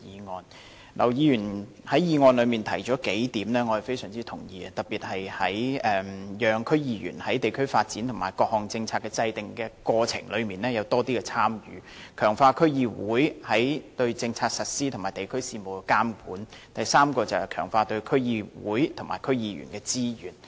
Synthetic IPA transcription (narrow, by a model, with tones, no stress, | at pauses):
iː˨˧ŋɔː˧n | lʔɐ̰˨˩wjiː˨˧jyː˨˩n | hɐ˨˥jiː˨˧ŋɔː˧nlɵ˨˧ɥmiː˨nt̪ʰɐ˨˩jt͡ʃɔː˨˥ke˨˥jt̪iː˨˥mnɛː˥ŋɔ˨˧hɐ˨˩fe˥jsœː˨˩ŋt͡siː˥t̪ʰʊ˨˩ŋjiː˨˧ɐ˧t̪ɐ˨˩t̚piː˨t̚hɐ˨jhɐ˨˥jɛː˨mjœː˨˧ŋkʰɵ˥ɥjiː˧jy̰ː˨˩nhɐ˨˥jt̪e˨jkʰɵ˥ɥfaː˧t̚t͡siː˨˥nt̪ʰʊ˨˩ŋmaː˨˩jkɔː˧k̚hɔː˨ŋt͡sɪ˧ŋt͡sʰaː˧t̚kːɛ˧t͡sɐ˧jt̪ɪ˨˩ŋkɛː˧kɔː˧t͡sʰɪ̰˨˩ŋlɵ˨˧ɥmiː˨nɛː˥jɐ˨˧wt̪ɔː˥t̪iː˥kɛ˧t͡sʰaː˥mjyː˨˥kʰœː˨˩ŋfaː˧kʰɵ˥ɥjiː˧wuː˨˥jhɐ˨˥jt̪ɵ˧ɥt͡sɪ˧ŋt͡sʰaː˧k̚sɐ˨t̚siː˥t̪ʰʊ˨˩ŋmaː˨˩jt̪e˨jkʰɵ˥ɥsiː˧mo˨wkaː˥mkuː˨˥nt̪ɐ˨jsaː˥mkɔː˧t͡sɐ˨whɐ˨˩kʰœː˨˩ŋfaː˧t̪ɵ˧ɥkʰɵ˥ɥjiː˧wṵː˨˥jt̪ʰʊ˨˩ŋma̰ː˨˩jkʰɵ˥ɥjiː˨˧jy̰ː˨˩nkɛː˧t͡siː˥jyː˨˩n